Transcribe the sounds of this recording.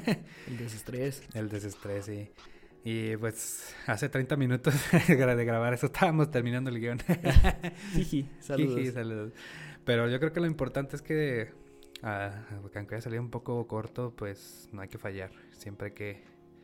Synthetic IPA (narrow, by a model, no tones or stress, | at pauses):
eld̪es̬est̪ɾese̞ld̪es̬est̪ɾe̞sːi | ipwe̞saset̪ɾejnt̪amĩnut̪o̞sɣðeɣɾaβaɾesoest̪ʰaβamo̞st̪e̞ɾmĩnãnd̪oelɣjo̞n | iisaliuðisaluðospe̞ɾo̞ʝo̞k̬ɾeoke̞lo̞impo̞ɾt̪ant̪e̞eske̞ | akaŋkeʝasaliumpo̞ko̞ko̞ɾt̪o̞pwe̞s | noajke̞faʝaɾ | sje̞mpɾeke̞